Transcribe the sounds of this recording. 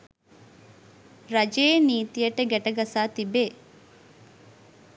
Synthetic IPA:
ɾɐd͡ʒeːniːt̪ijɐʈɐɡɛʈɐɡɐsaːt̪ibeː

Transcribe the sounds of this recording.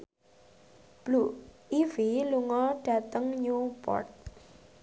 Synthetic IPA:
b̥luiviluŋɔɖ̥a̤t̪əŋɲupɔ̰rt̪̚

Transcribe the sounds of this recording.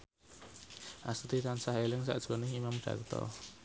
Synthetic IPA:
ʔast̪it̪ansahelɪŋsa̰ʔd̥ʒ̥o̤nɪɦimamɖ̥ä̤̰kt̪ɔ̰

